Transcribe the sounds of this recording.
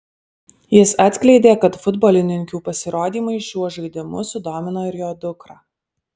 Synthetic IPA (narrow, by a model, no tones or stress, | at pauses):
jɪsɑːˑt̪ʲsʲkʲlʲɛɪd̪ʲeːkɐt̪fʊd̪bɔːlʲɪnʲɪŋʲkʲuːpɐsʲɪɾoːd̪ʲiːmʊɪʃʲuɔʒɐɪd̪ʲɪmʊ̰sʊd̪oːmʲɪnoːɪɾjoːd̪ʊkɾɐ